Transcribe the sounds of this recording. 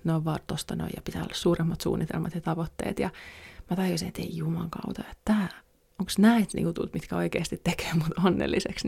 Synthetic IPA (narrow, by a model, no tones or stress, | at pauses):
noiʋʋɑrt̪ːost̪ɑno̰ijɑpit̪æːo̰lːɑssuːremːɑt̪sṵːnːit̪ḛlmɑt̪jɑt̪ɑʋot̪ːḛːt̪jɑmæt̪ɑjosinet̪ḛijumɑŋkɑ̰ut̪ɑjet̪t̪æː | oŋksnæit̪nḭːkut̪ṵt̪mit̪kæoikeːst̪it̪t̪ːeke̥ːmut̪onːḛlːiseks